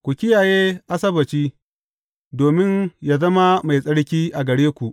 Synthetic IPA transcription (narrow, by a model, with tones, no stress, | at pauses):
kʷu˨kʲɪ˦jaː˨jeː˦ʔa˦sɐ˦bɐ˨t͡ʃiː˦ | doː˨mɪ˦njaː˨zɐ˦ma˦ma˨jsʼɐ˦ɽkʲiː˦ʔa˨ɡɐ˨ɽeː˦kʷu˨ʔ